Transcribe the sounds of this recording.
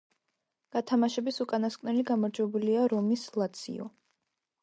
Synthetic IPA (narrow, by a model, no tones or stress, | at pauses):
ɡ̥at̪ʰamaʃɛbisukʼanaskʼvnɛliɡamɔɾd͡ʒwɛbuliaɾɔmislˠat̪sʰḭɔ̰